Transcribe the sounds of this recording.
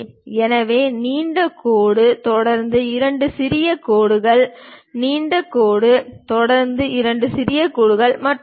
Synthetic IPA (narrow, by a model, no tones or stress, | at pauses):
ɛnɐʋeːniːɳɖɐkoːɽɯt̪ɔɽɐɾnd̪ɯɪɾɐɳɖɯsɪɾɪjɐkoːɽɯɣɐɭniːɳɖɐkːoːɽɯt̪ɔɽɐɾnd̪ɯɪɾɐɳɖɯsɪɾɪjɐkoːɽɯɣɐɭmɐʈː